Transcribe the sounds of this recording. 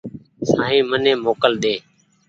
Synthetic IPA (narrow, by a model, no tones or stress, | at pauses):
sãːɦĩːmənẽːmoːkəld̪eː